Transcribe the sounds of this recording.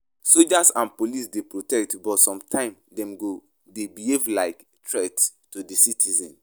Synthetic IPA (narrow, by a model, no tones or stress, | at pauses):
sold͡ʒasãnpolisdepɹotɛk̚tbɔtsɔ̃mtʰãɪ̃m | dɛ̃mɡo | debihevlaɪk | tʰɹɛttudisitʰizɛ̃n